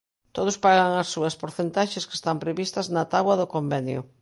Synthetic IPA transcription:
t̪oð̞ʊspaɣɐŋɐsːuɐspoɾθent̪aʃeske̥st̪ampɾeβist̪ɐznɐt̪aβwɐðʊkombɛnjʊ̰

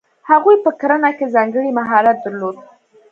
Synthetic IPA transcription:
haɣujpəkaɾanakezɑŋɡəɽimaɦɑɾat̪̚d̪əɾlod̪̚

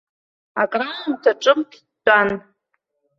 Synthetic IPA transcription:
akʼramtʰaʈ͡ʂʼɨmtʰːʼan

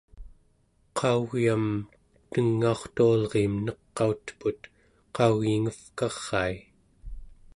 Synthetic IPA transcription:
qʰɑuɣjam | t̪əŋːao̞χt̪ualʁemnʌqːɑut̪put̪ | qɑuɣiŋəfkɑʁːɑi

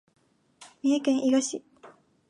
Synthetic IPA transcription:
miekẽŋʔiɡaɕi

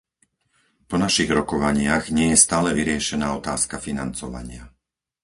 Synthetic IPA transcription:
pɔnaʃiɣɾɔkɔʋaɲɪaɣɲɪɛjɛst̪aːlɛʋiɾɪɛʃɛnaːɔt̪a̰ːskafinant͡sɔʋa̰ɲɪa

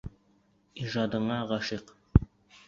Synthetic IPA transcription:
iʒɑd̪ɤ̆ɴɑʁɑʃiq

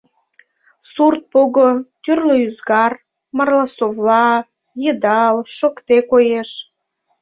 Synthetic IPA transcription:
surt̪̚poɣot̪yrləyzɡɑr | mɑrlɑsovlɑ | jəd̪ɑlʃokt̪ekojeʃ

